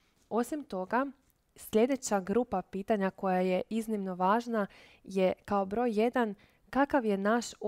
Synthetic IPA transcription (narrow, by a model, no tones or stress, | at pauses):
o̞simt̪o̞ɡa | sʎʲe̞d̪e̞t͡ɕaɡɾupapiːt̪aɲako̞jajeʔiznimno̞ʋaːʒna | je̞kaobɾo̞jːe̞d̪an | kakaʋje̞naʃ